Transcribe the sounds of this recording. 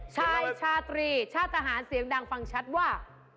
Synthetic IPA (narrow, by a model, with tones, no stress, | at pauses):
t͡ɕʰaː˥˩t͡ɕʰaː˧˩t̪ɾiː˧t͡ɕʰaː˥˩t̪ʰːa˧ɦaː˩˦nsi˨˩˦əŋdaː˧ŋfa˧ŋt͡ɕʰa˦˥t̪̚waː˥˩